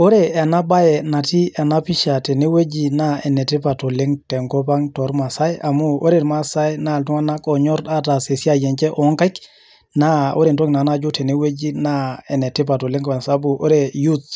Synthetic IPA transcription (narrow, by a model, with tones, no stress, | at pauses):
o˦ɾe˨a˨na˦ba˦jɛ˨na˨ti˦a˨na˦pi˦ʃa˨tɛ˨ne˦we˦d͡ʒi˨na˦e˨nɛ˨te˦pa˨to˨le˦ŋtɛ˨ŋkɔ˦pa˦ŋtɔ˨ɾma˨sa˦ja˨mu˦o˦ɾeɾma˦sa˦jna˦˨ltu˦ŋa˦na˦kɔ˨ɲɔ˦ɾta˦ta˨se˨si˦a˦˨jɛ˨ɲt͡ʃɛ˦ʔɔ˨ŋka˦jk | na˦o˦ɾe˨ntɔ˦ŋna˨na˦d͡ʒu˦tɛ˨ne˦we˦d͡ʒi˦na˦e˨nɛ˨te˦p̬a˨to˨le˦ŋka˨nsa˦bu˨ʔo˦ɾe˨ju˦t